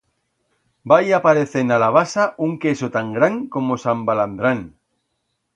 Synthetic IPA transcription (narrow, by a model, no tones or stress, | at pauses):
bajapaɾeθenalaβasauŋkesot̪aŋɡɾaŋkomosambaland̪ɾan